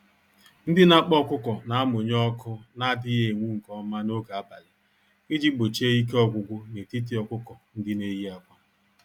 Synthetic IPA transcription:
n̩˦dɪ˦na˦k͡pɔ˦kʷʊ˦kɔ˨na˨a˦mʊ˨ɲɔ˦kʊ˦na˦a˨dɪ˦je˨ŋʷu˦ŋ̩˨kɔ˦ma˦no˦ɡa˨a˦ba˨lɪ˨ | ɪ˦d͡ʒi˦ɡ͡bo˨t͡ʃe˦i˦k̬e˦ɔ˦ɡʷʊ˨ɡʷʊ˦ne˨ti˦t̬i˦ɔ˨kʷʊ˦kɔ˨n̩˦dɪ˦ne˦ji˦a˨kʷa˦

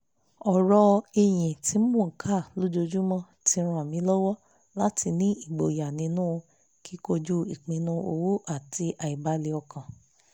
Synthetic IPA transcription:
ɔ˨ɾɔ˧e˧j̃ĩ˨ti˨˧˦mũ˦˨kʰa˦˨lo˦d͡ʒo˧d͡ʒu˦mɔ̃˦ | ti˧˦˧ɾ̃ã˨mĩ˧˦lɔ˦wɔ˦ | la˦tʰi˧nĩ˦i˦˨ɡ͡bo˨ja˨nĩ˧˦nũː˦˧ | ki˦ko˧d͡ʒu˦i˨k͡pĩ˧nũ˧o˧wo˦ʔa˦˨ti˧ʔa˨i˨ba˨˦le˨˧ɔ˧kã˨

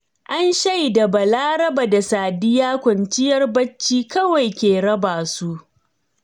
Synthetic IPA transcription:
ʔa˦nʃɐ˦jda˨bɐ˨laː˦ɾɐ˦baː˨da˨saː˨dɪ˦jaː˦kʷɐ˨nt͡ʃɪ˦jɐ˦rbɐ˦t͡ʃːiː˦kɐ˦wa˨jkʲeː˨ɽɐ˦baː˨su˦ʔ

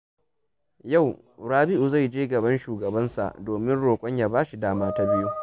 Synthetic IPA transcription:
ja˦˨w | ɾaː˦bɪ˦ʔu˨za˦˨jd͡ʒeː˦ɡɐ˨bɐ˦nʃuː˨ɡɐ˨bɐ˦nsa̰˨ʔdoː˨mɪ˦nɽoː˨kʷʼɔ˦ɲja˨baː˦ʃi˨daː˦maː˦ta˦bɪ˦ju˦

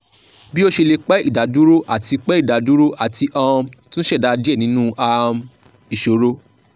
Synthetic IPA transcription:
bi˦o˦ʃe˧le˧k͡pɛ˦ḭ˦˨da˨˦du˦ɾo˦ʔa˦˨ti˧k͡pɛ˦i˦˨da˨˦du˦ɾo˦ʔa˨ti˧ʔã˧tũ˦ɛ˦˨da˧d͡ʒe˦˨nĩ˨˦nũ˦ʔa˧m | i˨ʃo˨˦ɾo˦

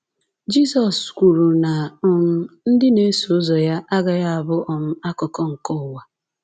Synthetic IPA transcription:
d͡ʒi˦sɔ˨skʷu˨ɾu˨na˨ʊ˨m̩˦n̩˦dɪ˦ne˦so˨˦zɔ˨ja˦ʔa˦ɡa˨ja˦a˨bʊ˦ʔɔ˨m̩˦a˦kɔ˨kɔ˦ŋ̩˨kɔ˦ʊ˨wa˨

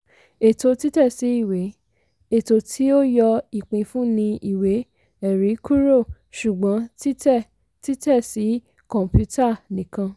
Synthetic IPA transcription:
e˨to˧ti˦tɛ˦˨si˨˦i˦˨we˨˦ | e˨to˧˦tʰi˦o˦jɔ˧i˦˨k͡pĩ˧fũ˦nĩ˧i˦˨we˨˦ | ɛ˨ɾi˨˦kʰu˦ɾo˦˨ | ʃu˨ɡ͡bɔ̃˨˦ti˦tɛ˦˨ | ti˦tɛ˦˨si˨˦ | kɔ̃˨m˨pju˦ta˦˨nĩ˨kã˧

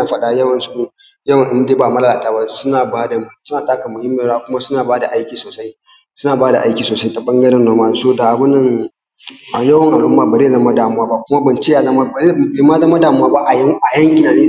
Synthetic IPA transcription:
a˨ɸɐ˨ɗa˦jɐ˦wɐ˨nsu˨ɪ˦jɐ˦wɐ˨ŋʔɪ˦ndeː˦ba˨mɐ˦lɐ˦laː˨taː˦ba˦sʊ˦naː˨baː˦da˨sʊ˦naː˨taː˦kɐ˨mʊ˨hɪ˦mːe˨ɾaː˦kʷʊ˦ma˦sʊ˦naː˨baː˦da˨ʔa˦jkʲiː˨soː˨sa˦j | sʊ˦naː˨baː˦da̰˨ʔa˦jkʲiː˨soː˨sa˦jta˨ɓɐ˦ŋɡɐ˦ɽɪ˦nːoː˦maː˦˨soː˦da˨ʔa˨bʊ˦nːɐ˦ŋ | a˨jɐ˦wɐ˨ŋʔa˨ɽʊ˦mːa˦ba˨ɾeː˦˨zɐ˨mɐ˦daː˨mʊ˦waː˦ba˦˨kʷʊ˦ma˦bɐ˨nt͡ʃeː˦ja˨za˦ma˦˨˦ba˨ma˦za˦ma˦daː˨mʊ˦wa˦ba˦ʔa˨˦ʔa˨jɐ˦ŋkʲɪ˨naː˨neː˦˨

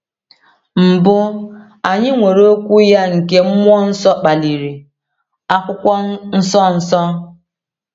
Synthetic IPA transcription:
m̩˨bʊ˦ | a˨ɲɪ˦ŋʷe˨ɾo˦kʷu˦ja˦ŋ̩˨ke˦m̩˦mʷ˦ɔ˦n̩˦sɔ˦k͡pa˨li˨ɾi˨ | a˦kʷʊ˦kʷɔ˦n̩˦sɔ˦n̩˨sɔ˦

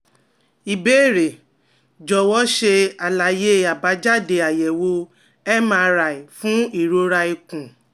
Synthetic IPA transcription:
i˨beː˦˨ɾe˨ | d͡ʒɔ˨wɔ˦ʃe˧a˨la˨je˦a˨ba˨˦d͡ʒa˦de˨a˨jɛ˨wo˧ | ɛ˦mã˦˧ɾa˨i˨fũ˦i˦˨ɾo˧ɾa˧i˨kũ˨

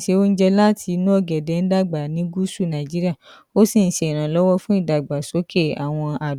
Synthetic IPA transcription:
ʃe˧o˦n̩˦d͡ʒɛ˧la˦tʰi˧˦nũ˦ɔ˦˨ɡɛ˨dɛ˨˦n̩˦da˦˨ɡ͡ba˨nĩ˦ɡu˦su˦˨nã˨d͡ʒi˦ɾi˦a˦˨ | o˦sĩ˦˨n̩˦ʃe˨i˨ɾ̃ã˨lɔ˦wɔ˦fũ˦i˦˨da˨ɡ͡ba˨so˨˦kʰe˦˨a̰˨w̃ɔ̃˧a˨

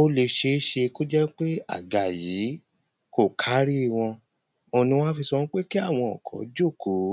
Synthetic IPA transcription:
o˦le˧ʃe˧˦ʃe˧ko˦d͡ʒɛ˦k͡pe˦a̰˦˨ɡa˨ji˨˦ | ko˦˨kʰa˨˦ɾi˦˨w̃ɔ̃˧ | o˧˨nĩ˧w̃ɔ̃˦fi˧sɔ˧nũ˦k͡pe˦ki˦a˦˨w̃ɔ̃˧ɔ˨kʰɔ̰̃˨d͡ʒo˦˨kʰo˨˦

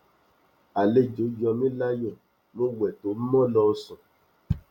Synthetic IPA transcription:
a˨le˦d͡ʒo˨˦jɔ˧mĩ˦la˦jɔ˦˨ | mõ˦wɛ˨to˨˦mɔ̃˦lɔ˧n̩˦sɔ̃˨

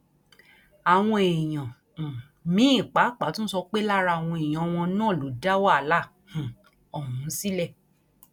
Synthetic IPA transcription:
a˨w̃ɔ̃˧e˨j̃ã˨ | mĩ˨˦ĩ˦˨k͡pa˨˦k͡pa˨˦tũ˦n̩˦sɔ˧k͡pe˦la˦ɾa˧˨w̃ɔ̃˧e˨j̃ã˨˦˧w̃ɔ̃˧nãː˦˨lo˨˦da˦wa˦˨˦la˦˨ | hũ˨ | ɔ˨hũ˨˦si˦lɛ˦˨

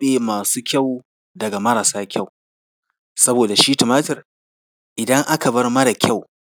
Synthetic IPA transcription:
eː˨maː˨suː˦kʲa˦˨w | dɐ˨ɡa˨mɐ˦ɾaː˨saː˦kʲa˦˨w | sɐ˦boː˨da˨ʃiː˦tɪ˨maː˦tɪ˨r | ʔɪ˨dɐ˦ŋʔa˦ka˨bɐ˦rma˦da˨kʲa˦˨w

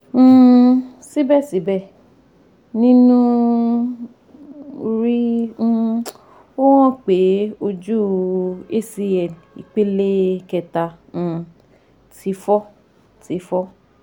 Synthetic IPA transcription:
si˦bɛ˦˨si˨˦bɛ˦˨ | nĩ˦nũ˦ | ɾĩ˦˧ | o˦wɔ̃˦˨k͡pe˨˦o˧d͡ʒu˦e˦˨si˧ɛ˨l | ḭ˨k͡pe˦le˦kɛ˧tã˧˨ | ti˧˦fɔ˦ | ti˨˧˦fɔ˦

